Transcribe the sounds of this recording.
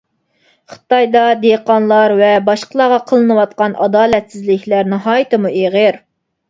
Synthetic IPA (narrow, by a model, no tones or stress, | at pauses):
χə̥t̪ɑjd̪ɑd̪eqɑnlˠɑɾvɛbɑʃqʰəlˠɑʁɑqʰəlˠɨnɨwɑt̪̚qɑnʔɑd̪ɑːlɛt̪sɪzlɪkʲʰlæɾnɨɦɑːjɨt̪ɨmuʔeʁəɾ